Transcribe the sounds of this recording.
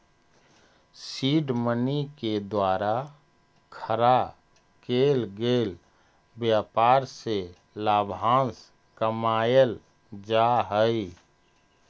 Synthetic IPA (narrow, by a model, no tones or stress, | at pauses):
siːɖməniked̪waːɾa | kʰəɾa | keːlɡeːl | bjaːpaːɾse | laːbʱãːns | kəmaːjəl | d͡ʒaɦəi